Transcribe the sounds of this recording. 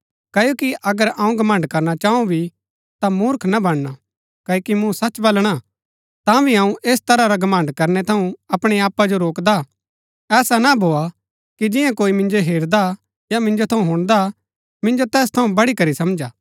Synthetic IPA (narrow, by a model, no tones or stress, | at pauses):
kɐjoːkiʔɐɡəɾãːũɡɐmə̃ɳɖkɐɾnat͡ʃaːũbʱi | t̪amuːɾkʰnabɐɽ̃ːa | kɐjokimũsɐt͡ʃbɐlɽ̃a | t̪ãbʱiãːũʔeːs̬t̪ɐɾaɾaɡɐmə̃ɳɖkɐɾnɛt̪ʰɐũɐpɽ̃eaːpːad͡ʒoɾoːkd̪a | ɛːsanabʱoːa | kid͡ʒɪ̃jãkoːimɪ̃nd͡ʒoɦeːɾd̪a | jamɪ̃nd͡ʒot̪ʰɐũɦʊɽ̃d̪a | mɪ̃nd͡ʒot̪ɛːs̬t̪ʰɐũbɐɽikɐɾisɐmd͡ʒaː